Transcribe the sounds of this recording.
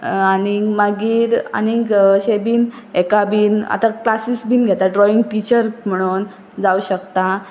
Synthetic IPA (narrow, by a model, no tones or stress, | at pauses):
añimaɡiːɾa̰niɕebiːn | ekabiːna̰t̪aklasisbʱiːnɡʱet̪aɖɾɔiŋɡʈit͡ɕəɾm̤əɽ̃uːn | d͡zauɕəkt̪a